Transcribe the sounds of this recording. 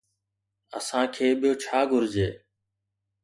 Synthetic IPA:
ə̰sãːkʰeːɓɪjoːt͡ʃʰaːɡʱʊɾd͡ʒeː

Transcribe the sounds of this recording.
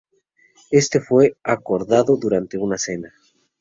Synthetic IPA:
e̞st̪e̞fwe̞ako̞ɾðaðoðuɾant̪e̞unase̞na

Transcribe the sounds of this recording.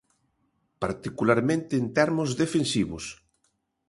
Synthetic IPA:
paɾt̪ikulaɾmẽnt̪eːnt̪ɛɾmʊzðefensiβʊs

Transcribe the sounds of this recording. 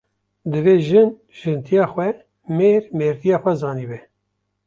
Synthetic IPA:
d̪ɨveːʒɨn | ʒ̥ɨnt̪ʰijɑːxwɛ | meːɾmeːɾt̪ʰijɑːxʷɛzɑːniːbɛ

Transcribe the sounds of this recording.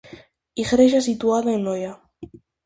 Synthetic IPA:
iɣɾeʒasit̪uaðaenoja

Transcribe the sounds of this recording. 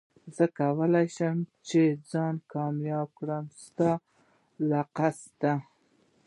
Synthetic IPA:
zəkawəlajʃəmt͡ʃed͡zɑnkɑmjɑb̚kɽəmst̪ɑ | laqasd̪a

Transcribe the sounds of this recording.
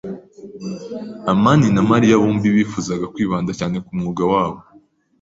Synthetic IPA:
amaninamaɾijaβuːmbiβifuzaɡakwiːβaːndacaːne̞kumŋuɡawaːβo

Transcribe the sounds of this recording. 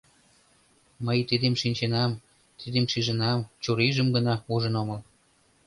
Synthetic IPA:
məjt̪id̪emʃinʲt͡ɕenɑm | t̪id̪emʃiʒə̆nɑmt͡ɕuɾiʒəmɡənɑuʒə̆noməl

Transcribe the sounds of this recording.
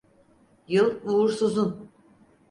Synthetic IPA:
jɯlˠvuːɾsuzun

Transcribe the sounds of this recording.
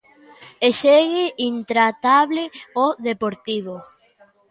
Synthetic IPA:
eʃeɣeʔint̪ɾat̪aβleoðepoɾt̪iβo

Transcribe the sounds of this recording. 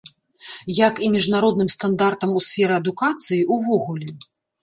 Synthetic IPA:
jakimʲiʐnaɾɔd̪nɨmst̪and̪art̪ɐmusʲfʲɛɾɨɐd̪ukat̪sɨjiʔuvɔɣulʲɛ

